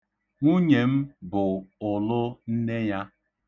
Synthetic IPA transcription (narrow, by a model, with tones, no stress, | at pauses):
ŋʷu˦ɲe˨m̩˦bʊ˨ʊ˨lʊ˦n̩˦ne˦ja˦